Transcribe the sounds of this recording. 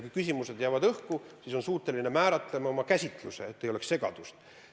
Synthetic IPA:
kujkysʲimuse̞d̪̥jæːvɑd̪ɤhkusiso̞nsuːt̪ːˑe̞line̞mæːɾɑt̪ˑle̞mɑomɑkæsʲit̪ˑluse̞ːt̪ːejo̞leksse̞ɡ̥ɑ̰d̪̥ust̪

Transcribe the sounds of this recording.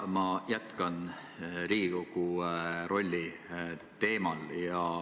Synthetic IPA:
mɑjæt̪kɑn | ɾiːɡ̥ikoɡ̥uro̞lʲːi | t̪e̞ːmɑljɑ

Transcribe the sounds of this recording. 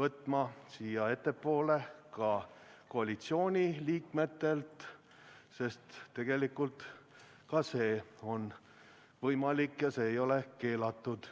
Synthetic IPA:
vɤt̪ːˑmɑsiːjɑe̞t̪ːe̞pːo̞ːle̞kɑko̞ɑlʲit̪sio̞ːnʲiliːkme̞t̪ːe̞lt̪ | se̞st̪ːe̞ɡ̥e̞likult̪ | kɑse̞ːo̞n | vɤjmɑlikːjɑse̞ːjo̞le̞ke̞ːlɑt̪ːˑud̪̥

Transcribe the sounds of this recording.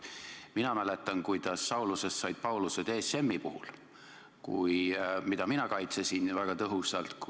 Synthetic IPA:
minɑmæle̞t̪ːˑɑnkujd̪̥ɑsːɑwluse̞st̪ːsɑjd̪̚pɑwlused̪eːsːe̞mːipuhul | kujmid̪̥ɑminɑkɑjt̪sesinvæɡ̥ɑt̪ɤɦusɑlt̪k

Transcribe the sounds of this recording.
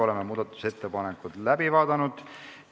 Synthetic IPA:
o̞le̞mːemuːd̪̥ɑt̪ːˑu̥se̞t̪ːe̞pɑnekːˑut̪læbivɑːd̪ɑnud̪̥

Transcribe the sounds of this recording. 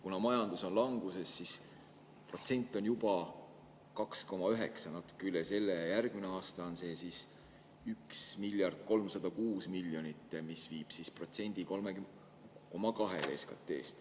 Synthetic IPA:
kunɑmɑjɑnd̪̥uso̞nlɑŋɡ̥use̞sːis | pro̞t̪se̞nʲt̪ːˑo̞njub̥ɑ | kɑksko̞mɑyɦe̞̰ksɑnɑt̪u̥kːˑeylːese̞lːejærɡ̥mineɑːst̪ɑonse̞ːsis | yksmiljɑrd̪̥ko̞lmsɑd̪̥ɑkuːsmilːjo̞nit̪ːˑemisviːb̥sispro̞t̪se̞nʲd̪̥iko̞lme | ko̞mɑkɑɦe̞̰leːskɑ̰t̪ːˑe̞̰ːst̪

